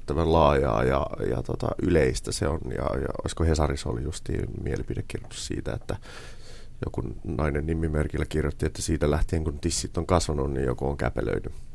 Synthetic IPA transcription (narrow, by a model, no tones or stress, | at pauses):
t̪ːæʋænlɑːjɑ̰ːjɑjɑ̰t̪ot̪ɑʔyleist̪æseonjɑ̰jɑo̰iskohesɑriso̰lijust̪ḭːmielipidekkirjot̪ːu̥ssḭːt̪æet̪ːæ | jo̰kunnɑinennimːimerkilːækirjot̪ːiet̪ːæsiːt̪ælæht̪eeːŋkunt̪isːit̪ːoŋkɑsʋɑnunnḭjjo̰kooŋkæ̰pḛlø̰iny